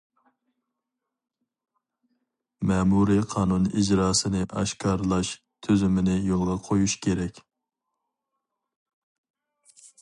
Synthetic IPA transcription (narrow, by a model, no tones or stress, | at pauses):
mɛmuɾiqʰɑːnunid͡ʒɾɑːsɨnɪʔɑ̰ʃkʰɑːɾlˠɑʃ | t̪ʰøzymɪnɪjolˠʁɑqʰojuʃkʲʰeɾɛkʲ